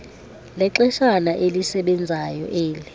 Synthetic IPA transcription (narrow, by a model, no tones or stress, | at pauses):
lɛǁɛʃanaʔelisɛɓɛnd͡zʱajɔ̰ʔeːlɛ